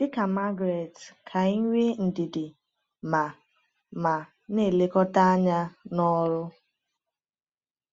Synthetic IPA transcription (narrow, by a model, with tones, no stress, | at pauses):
d̥ɪ˦ka˨ma˦ɡɾe˨tkʰa˨i˦ŋʷe˦n̩˨dɪ˨dɪ˨ | ma˨ | ma˨ | ne˦˨le˦kɔ˦ta˦a˦ɲa˦nɔ˦ɾʊ˦